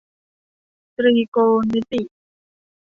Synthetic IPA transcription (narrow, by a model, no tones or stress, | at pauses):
t̪ɾikonit̪i